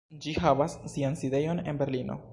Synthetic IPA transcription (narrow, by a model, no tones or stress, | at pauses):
d͡ʒihavasːianside̞jo̞ne̞̰nbe̞ɾlino̞̰